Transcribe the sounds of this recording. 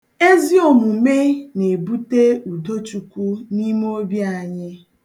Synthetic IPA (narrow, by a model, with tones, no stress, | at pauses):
e˦zi˦o˨mu˨me˦ne˨bu˦te˦u˨do˦t͡ʃu˨kʷu˦ni˦m˦o˦bja˦˨ɲɪ˦